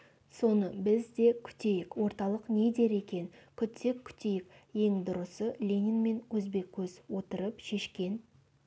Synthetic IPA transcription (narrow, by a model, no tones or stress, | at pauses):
so̞nəbɪzd̪e̞kʲʰʏ̥t̪e̞jɪkwo̞ɾt̪ɑlˠəqne̞d̪e̞ɾe̞kʲe̞nkʲʰʏt̪ʰe̞kʲʰʏ̥t̪e̞jɪkje̞ŋd̪ʊɾəsəlʲe̞nʲinme̞nwɵzbe̞kʲʰːɵzwo̞t̪əɾəpʃe̞ʃkʲe̞n